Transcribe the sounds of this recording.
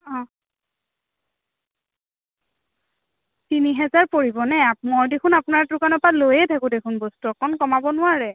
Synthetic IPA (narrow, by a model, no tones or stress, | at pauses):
ɔ̃ | tiniɦɛzaɹpoɹibɔnɛapmɔɹdekʰunapʊnaɹtʊkanɔpalojɛtʰakʊ̃dekʰunbɔstuɔkɔnkɔmabɔnʊaɹɛ